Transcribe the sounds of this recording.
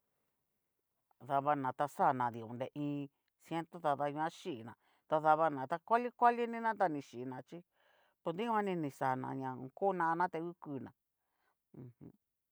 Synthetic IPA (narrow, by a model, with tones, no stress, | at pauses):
ða˧βa˧nã˨t̪a˧sa˦˨nã˨ði˨õ̰˨nd̪e˧ʔĩː˧ | sje˦nt̪o˦t̪a˧ða˧ɲ˧ã˦ʃi˦˨nã˨ | t̪a˧ða˧βa˧nã˨t̪a˧kʷa˦li˦kʷa˦li˦nĩ˦nã˦t̪̬a˧nĩ˧ʃi˨nã˨t͡ʃi˦ | pu˧nd̪ĩ˦ã˧nĩ˧nĩ˧sa˨nã̰˧˨ɲã˨˧ko˦nã˧nã˦t̪e˧u˦ku˧nã̰˨ | ũ˧hũ˧˦